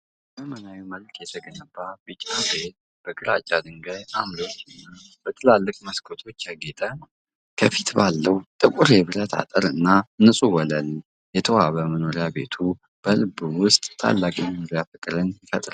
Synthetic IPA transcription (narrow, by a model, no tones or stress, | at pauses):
məmənawiməlkjɛt̪ʰəɡənəbːabɨt͡ʃʼːabet̪̚ | b̥əɡɨɾat͡ʃʼːad̪ɨŋɡajamlo̞t͡ʃːɨnːab̥ət̪ʰɨlalːɨkʼməskʰot̪ʰo̞t͡ʃːaɡet̪ʼə | kʰəfi̥t̪balːəwt̪ʼɨkʼuɾeβɨɾət̪ʰa̰t̪ʼəɾɨ̰nːanɨsʼuwɔləl | jɛt̪ʰəwaβəməno̞ɾɪabe̞̰t̪ʰu | b̥əlɨbɨwʊst̪ʼt̪ʰːa̰lːakʼiməno̞ɾjafɨkʼɾɨnjɪfət̪ʼɾa